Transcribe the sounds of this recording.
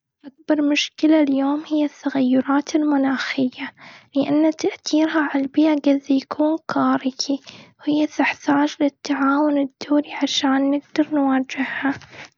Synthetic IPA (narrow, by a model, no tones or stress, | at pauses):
ʔak̚bɑɾˤmʊʃkɪlaljoːmhɪjːat̪ːaɣajːʊɾˤɑːt̪ɪlmʊnaːxɪjːalɪʔanːat̪aʔt̪iːɾɦaʕalbiːʔaɡaðːajakʰuːnkaːɾɪkʰiwhɪjːaθɪħt̪aːd͡ʒlɪt̪ːaʕaːwʊnɪd̪ːoːɾiʕaʃaːnːɪɡd̪ɑɾˤnwaːd͡ʒɪhha